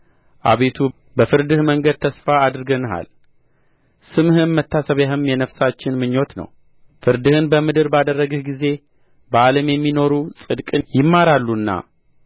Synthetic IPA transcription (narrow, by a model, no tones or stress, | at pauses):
ʔa̰βe̞t̪ʰu | bəfɨɾd̪ɨhməŋɡəd̪̚t̪ʰəsfaːd̪ɾɨɡənɦa̰l | sɨmhɨnmət̪ʰːasəβjaɦɨmjɛnəfsat͡ʃːɪnmɨɲːo̞t̪nə̰w | fɨɾd̪ɨhɨnbəmɨd̪ɨɾbad̪ərːəɡɨhɡize̞ | bəaləmjɛmːino̞ɾusʼɨd̪kʼɨjɪmːaɾalːunːa̰